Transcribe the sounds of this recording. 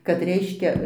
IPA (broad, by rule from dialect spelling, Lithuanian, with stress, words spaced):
kɐt ˈrʲɛɪʃʲkʲɛ